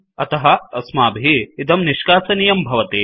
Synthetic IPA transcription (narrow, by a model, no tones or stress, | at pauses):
ɐt̪ɐɦɐɐsmaːbʱiːt̪ɐmniʃkaːsɐnijɐmbʱɐʋɐt̪eː